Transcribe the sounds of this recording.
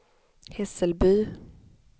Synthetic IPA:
hɛsəlbyː

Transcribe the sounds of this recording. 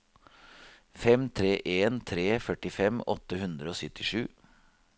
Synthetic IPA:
fɛmt̪ʰɾeːʔeːnt̪ʰɾeːfœʈɪfɛmɔ̰t̪ːəhʉnd̪ɾəoːsʏt̪ʰɪʂʉ̰ː

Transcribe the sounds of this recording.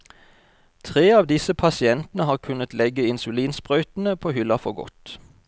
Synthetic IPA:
t̪ʰʁeːɑːʋd̪ɪsəpʰɑsɪɛnt̪n̩əhɑːʁkʰʉnət̪lɛɡəɪnsʉliːnsbʁœʏt̪n̩əpʰoːhʏlɑfɔɡɔ̰t̪

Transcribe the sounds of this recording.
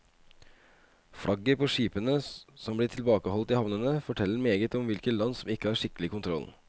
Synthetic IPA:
fɽʔɑɡːəɾpʰɔːʂiːpənəsɔmblɪːʈʰɪlbɑːkəɔlt̪ɪhɑʋnənəfɔʈʰɛlːəɾmeːɡət̪ɔmʋɪlkət̪lɑnːsɔmɪkːəhɑːɾʂɪkːəlɪkʊnt̪ʰɾɔ̰l

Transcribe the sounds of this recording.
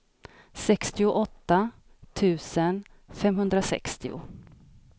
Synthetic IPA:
sɛkst̪ɪʊʔɔt̪ːa | t̪ʰʉ̟ːsən | fɛmɦɵnd̪ɾasɛ̰kst̪ɪʊ̰

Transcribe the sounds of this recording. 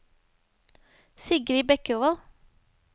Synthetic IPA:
sɪɡɾiːbɛkəuʋɑl

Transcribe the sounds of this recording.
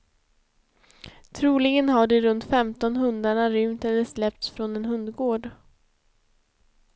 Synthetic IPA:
t̪ʰɾuːlɪɡənɦaɖɛɾɵnt̪fɛmt̪ɔnɦɵnd̪aɳaɾʏmt̪ɛlːɛslɛp̚t̪sfɾɔnɛnɦɵnd̪ɡoːɖ

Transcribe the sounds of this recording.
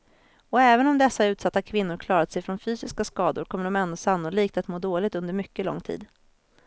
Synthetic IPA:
ɔɛːvənɔmd̪ɛsːaʉ̟ːt̪sat̪ːakʰvɪnːʊɾkʰlɑːɾat̪sɛjfɾɔnfyːsɪskaskɑːd̪ʊ̰ɾkʰɔmːəɖɔmɛnd̪ɔsanːʊliːk̚t̪at̪moːd̪oːlɪɡ̚t̪ɵnd̪əɾmʏkːəlɔ̰ŋːt̪ʰḭːd̪

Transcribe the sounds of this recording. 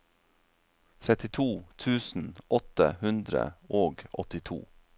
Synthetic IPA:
t̪ʰɾɛt̪ɪt̪ʰuːt̪ʰʉːsn̩ʔɔt̪ə̰hʉnd̪ɾə̰ʔoːɡʔɔt̪ɪt̪ʰṵː

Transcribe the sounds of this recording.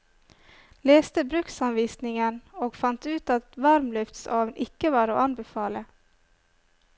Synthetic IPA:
leːst̪əbɾʉksɑnʋiːsnɪŋənoːɡfɑnt̪ʉːt̪ɑt̪ʋɑɾmlʉft̪sɑːʋnʔɪkəʋɑːɾo̰ːʔɑnbɛfɑːlə

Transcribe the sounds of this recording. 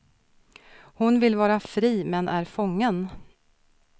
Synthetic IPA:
hʊnvɪlvɑːɾafɾiːmɛnʔæɾfɔŋːən

